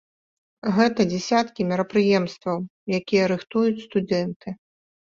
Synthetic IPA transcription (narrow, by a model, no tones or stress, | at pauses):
ɣɛt̪ɐd͡zʲɛsʲat̪kʲimʲiɾɐpɾɨjɛmst̪vɐwjakʲijɐɾɨxt̪ujut͡sʲst̪ud̪ɛnt̪ɨ